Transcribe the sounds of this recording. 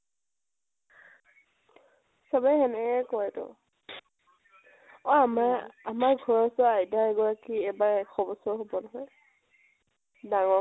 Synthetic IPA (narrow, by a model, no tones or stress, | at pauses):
sabɛɦɛnɛɛkɔɛtɔ̰ | ɔamaamaɹɡʱɔɹɔsɔajdaɹɛɡɔɹakiɛbaɹɛkxɔbɔsɔɦobɔnɔɦɔj | daŋɔ